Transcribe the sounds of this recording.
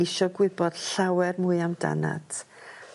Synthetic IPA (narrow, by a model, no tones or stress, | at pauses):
ɪʃɔɡwɪbɔd̥ɬawɛrmuɨamda̰na̰tʰ